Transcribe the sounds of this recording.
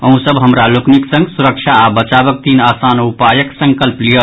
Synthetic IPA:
ə̃ɦũsəbɦəmɾalokniksə̃ŋɡsuɾəkt͡ʃʰaːbət͡ʃabək̚t̪inasanupajəksə̃ŋkəlplijə

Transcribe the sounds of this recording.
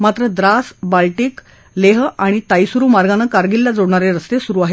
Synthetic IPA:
mat̪ɾəd̪ɾasbalʈiːk | leɦaɽ̃it̪ajsuɾuːmaɾɡanakaɾɡilːad͡zoɽɳaɾeɾəst̪esuɾuːaɦe

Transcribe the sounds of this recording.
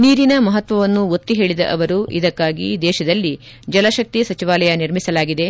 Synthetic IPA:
niːɾinɐmɐɦɐt̪ʋɐʋɐnːuot̪ːiɦe̞ːɭid̪ɐ̰ʔɐʋɐɾuʔid̪ɐkːaːɡḭd̪ɛːʃɐd̪ɐlːi | d͡ʒɐlɐʃɐk̚t̪isɐt͡ʃiʋaːlɐjɐniɾmisɐlaːɡid̪e̞

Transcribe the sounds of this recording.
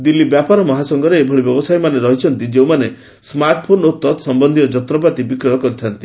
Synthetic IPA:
d̪ilːibjapaɾɔmɔɦasɔŋɡɔɾeːbʱɔɭibjɔbɔsajmaneɾɔɦit͡ʃʰɔnt̪id͡ʒeũmane | smaɾʈpʰonot̪ːɔt̪sɔmbɔnd̪ʱiɾɔd͡ʒɔt̪ɾɔpat̪ibikɾɔɦɔkɔɾit̪ʰant̪i̥

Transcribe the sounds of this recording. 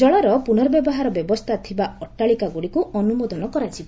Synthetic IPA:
d͡ʒɔɭaɾɔpuñɔɾɔbjɔbɔɦaɾɔbjɔbɔst̪ʰat̪ʰibaɔʈːaɭikaɡuɽikuɔnumod̪ɔnɔkɔɾat͡ʃʰibɔ

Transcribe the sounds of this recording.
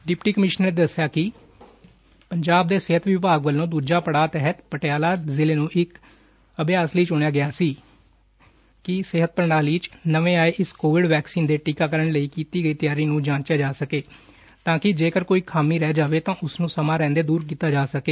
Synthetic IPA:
ɖɪpʈiːkəmɪʃnəɾneːd̪əsɪjaːkɪ | pəɲd͡ʒaːb̚d̪eːsɪɦət̪ʋɪpaːɡʋəlːõːd̪uːd͡ʒaːpəɽaːt̪ɛɦət̪pəʈejaːlaːzɪleːnũːʔɪk | əbɪjaːsləiːt͡ʃʊɳ̃jaːɡɪjaːsiː | kɪsɪɦət̪̚pəɾnaːliːt͡ʃnəʋẽːaːeʔɪskoːʋɪɖʋɛːksiːnd̪eːʈiːkaːkəɾəɳləiːkiːt̪iːɡəiːt̪ɪjaːɾiːnũːd͡ʒãːt͡ʃjaːd͡ʒaːsəkeː | t̪ãːkɪd͡ʒeːkəɾkoːiːkʰaːmiːɾɛːd͡ʒaːʋeːt̪ãːʔʊsnũːsəmãːɾɛ̃ːnd̪eːd̪uːɾk̬iːt̪aːd͡ʒaːsəkeː

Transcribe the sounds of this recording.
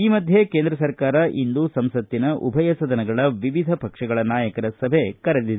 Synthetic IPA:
iːmɐd̪ʱjekeːnd̪ɾɐsɐɾkaːɾɐʔind̪usɐmsɐt̪ːinɐʔubʱɐjɐsɐd̪ɐnɐɡɐɭɐʋiʋid̪ʱɐpɐkʂɐɡɐɭɐnaːjɐkɐɾɐsɐbʱekɐɾɐd̪i

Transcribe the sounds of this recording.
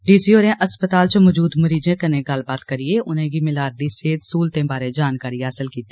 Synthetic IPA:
ɖiːsioːɾẽʔɐspət̪aːlt͡ʃmɔd͡ʒuːd̪mɐɾiːd͡ʒẽkɐnẽɡɐlbaːd̪kɐɾieʊnɦẽɡimɪlaːɾɖ̪iseːd̪suːlt̪ẽbaːɾẽd͡ʒaːnkaːɾiɦaːsəlkiːt̪iː

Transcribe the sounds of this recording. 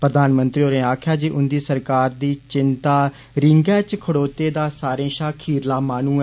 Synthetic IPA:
pɾəd̪aːnmənt̪ɾiːoːɾẽːaːkʰjaːd͡ʒiːʔʊnd̪iːsəɾkaːɾd̪iːt͡ʃɪnt̪aː | ɾɪŋɡɛːt͡ʃkʰəɽoːt̪eːd̪aːsaːɾẽːʃaːkʰiːɾlaːmaːnũːɛ

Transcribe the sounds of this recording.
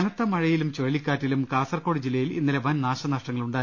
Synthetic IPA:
ɐnɐt̪ːɐmɐɻɐjilumt͡ɕoɻlikʲːaːtːilumkaːsɐrko̞ːɽid͡ʑilːɐjilḭnːileʋɐnnaːʂɐnɐʂʈɐŋːɐɭuɳɖaː

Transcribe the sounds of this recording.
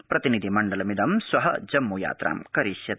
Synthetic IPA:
pɾɐt̪inid̪ʱimɐɳɖɐlɐmid̪ɐmsʋɐɦɐ̰d͡ʒɐmːuːja̰ːt̪ɾa̰ːmkɐɾiʃjɐ

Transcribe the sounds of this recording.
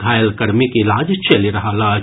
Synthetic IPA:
ɡ̪ʱaːjəlkɐɽmikilaːd͡ʒt͡ʃɐliɾɐɦalaːd͡ʒ

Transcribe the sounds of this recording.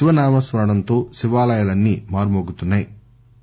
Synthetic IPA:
ʃiʋɐnaːmɐsʋɐnɐɽɐnt̪oːʃiʋaːlɐjɐlɐnːimaːɾumoːɡut̪unːaːji

